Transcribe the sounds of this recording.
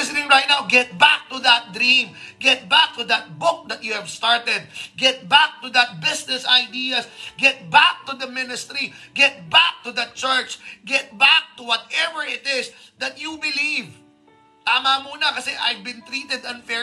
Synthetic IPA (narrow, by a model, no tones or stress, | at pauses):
ɪsɪnɪ̃ŋɹajt̪̚nawɡɛt̪̚bak̚t̪ud̪ɐt̪̚d̪ɾĩmɡɛt̪̚bak̚t̪ud̪ɐt̪̚bʊk̚d̪ɐt̪̚juhɛvst̪aɹt̪ɛd̪̚ɡɛt̪̚bak̚t̪ʊd̪ɐt̪̚bɪsnɛsajd̪iɐsɡɛt̪̚bak̚t̪ud̪ɐmɪnɪst̪ɾiɡɛt̪̚bak̚t̪ud̪ɐt̪̚t͡ʃɛɹt͡ʃɡɛt̪̚bak̚t̪ʊwɔt̪̚ɛvəɹɪt̪ɪsd̪ɐt̪̚jubɪliv | t̪aːmɐmuːnɐkɐsɛʔajvbɪ̃nt̪ɾiːt̪ɛd̪ɐ̃nfɛ